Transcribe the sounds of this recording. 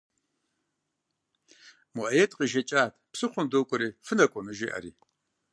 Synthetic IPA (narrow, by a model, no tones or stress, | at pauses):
mʊʔɐjetʼqʼiʒɐt͡ʃʼaːtʰʼpsɨχʷʊndoːkʷʼʊɾiːfɨnɐkʷʼɔmɨʒiːʔɐ̰ɾḭː